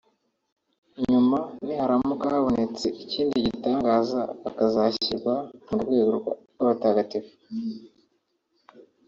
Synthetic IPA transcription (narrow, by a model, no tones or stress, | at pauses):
ɲumanihaɾamukahaβo̞ne̞t͡se̞ʔiciːndiɟitaːŋɡaːzaakazaçiɾɡwamuɾɡwe̞ːɡoɾɡa̰ɾwaβataɡatifu̥